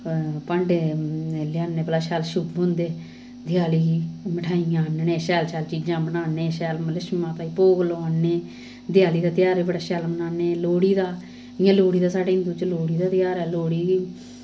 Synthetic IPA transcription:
pəɳɖ | lɪjaːneːpəlaːʃɛːlʃʊbɦʊ̃nd̪eː | d̪ɪjaːliːməʈʰaːijãːnnẽːʃɛːlʃɛːlt͡ʃiːd͡ʒãːbənaːneːʃɛːlmələʃmãːt̪aːiːpoːɡloːnːeː | d̪ɪjaːliːd̪aːt̪ɪjaːɾeːbəɽaːʃɛːlmənaːneːloːɽiːd̪aː | ɪjãːloːɽiːd̪aːsaːɖeːɦɪnd̪uːt͡ʃloːɽiːd̪aːt̪ɪjaːɾɛːloːɽiːɡi

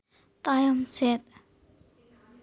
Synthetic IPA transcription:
t̪ajamsɛt̪̚

